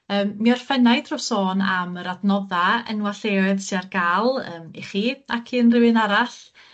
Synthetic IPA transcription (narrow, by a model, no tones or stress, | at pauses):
əːmːiɔr̥fɛnajdrɔsoːna̰məɾadnɔðaə̰nwaɬeːɨðsiarɡaːlˠəːmḭχiakʰiənrɪwɨnaɾaɬ